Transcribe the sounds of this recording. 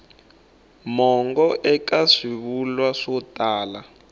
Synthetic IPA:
mɔŋɡɔʔɛkaʂiβulwaʂɔtʼaːla

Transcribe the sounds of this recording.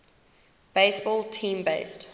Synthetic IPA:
b̥eɪsbɔːlˠtʰĩːmbeɪst

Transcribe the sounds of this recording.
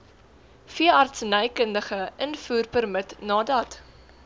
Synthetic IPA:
fiəɐrtsnəjkəndəχəʔənfuːrpərmətnɑːdɐt

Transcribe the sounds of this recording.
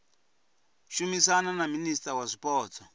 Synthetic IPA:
ʃumisananaministʼawaʂipɔːt͡sʰɔ

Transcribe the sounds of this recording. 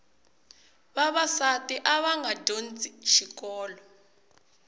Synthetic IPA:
βaβasatiʔaβaŋɡadʱont͡sʼiʃikɔːlɔ

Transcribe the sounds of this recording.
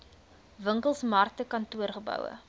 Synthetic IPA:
vəŋkəlˠsmɐrtəkɐntuərχəbœ̰wə̰

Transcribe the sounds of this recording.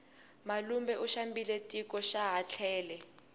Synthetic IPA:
malumbɛʔuʃambilɛtʼikɔʃaɦat͡ɬʰɛːlɛ

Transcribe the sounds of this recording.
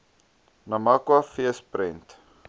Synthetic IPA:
nɐmakwafiəspɾɛnt

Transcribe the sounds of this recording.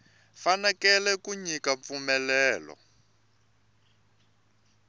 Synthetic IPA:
fanɛkɛlɛkuɲikap̪fumɛlɛːlɔ̰

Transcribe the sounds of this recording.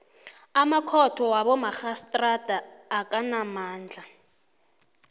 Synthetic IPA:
amakʰɔtʰɔwaβɔmaxastʼrad̥ʱaːkʼanamaːnd͡ɮʱa

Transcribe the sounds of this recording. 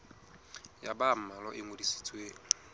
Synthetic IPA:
jabam̩malɔʔɪŋodisi̥t͡sʼwe

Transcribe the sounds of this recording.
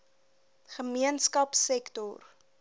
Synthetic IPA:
χəmiənskɐpsɛktɔr

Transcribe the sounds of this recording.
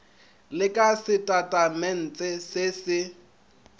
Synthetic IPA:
lɪkʼasɪtʼatʼamɛn̩t͡sʼɪsɪsɪ

